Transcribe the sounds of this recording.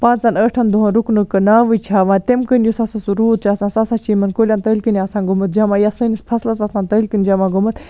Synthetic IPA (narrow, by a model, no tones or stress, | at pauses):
pãːt͡ʃzanəːʈʰɐnd̪uɦɐ̃nɾuknɨkɨnaːʋɨt͡ʃʰaːʋãːt̪emkənjusɐsasuɾuːt̪̚t͡ʃʰaːsãːnsasat͡ʃiːmɐnkoːlʲaːnt̪əːlʲkɨnʲaːsãːnɡumɨt̪̚d͡ʒaːmãːjɐsənispʰɐslɐsasãːnt̪əːlʲkɨnd͡ʒaːmãːɡumɨt̪